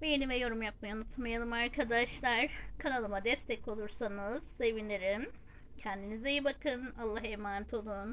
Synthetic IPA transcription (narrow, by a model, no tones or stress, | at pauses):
vejenivɛjo̞ɾumjap̚majanut̪ʰlˠmajalˠɯmaɾkʰad̪aʃlˠaɾkʰanalˠɯmad̪ɛst̪ʰɛco̞lˠuɾsanɯz̥ːe̞vinlʲeɾim | cʰɛnd̪inizejibakʰɯnalˠːaɦemaːnt̪ʰo̞lˠun